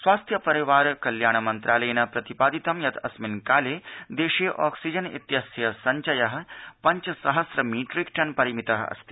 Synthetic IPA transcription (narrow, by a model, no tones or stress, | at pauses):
sʋaːst̪ʰjɐpɐɾiʋaːɾkɐljaːɳɐmɐnt̪ɾʔaːlɐjnɐpɾɐt̪ipaːd̪it̪ɐmjɐt̪ʰɐsminkaːleːd̪eːʃiʔɔːksid͡ʒɐnḭt̪jɐsjɐsɐɲt͡ʃɐjɐɦpɐɲt͡ʃsɐɦɐsɾɐmiːʈɾikʈɐnpɐɾimit̪ɐɦɐ̰st̪ʰi̥